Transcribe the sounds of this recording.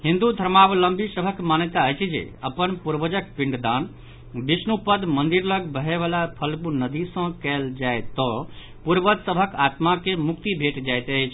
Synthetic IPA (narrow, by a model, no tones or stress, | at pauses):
ɦĩnd̪ud̪ʱəɾmabləmbʱisəbʱəkmanjət̪aəjt͡ʃʰd͡ʒḛəpənpuɾbəd͡ʒək̚piɳɖd̪an | bisnupəd̪mənd̪iɾləɡbəɦeʋalapʰəlkunəd̪isə̃kɛld͡ʒajt̪ɔ̃ | puɾbəd̪səbʱəkat̪makemukt̪ibʱeʈd͡ʒajt̪əjt͡ʃʰ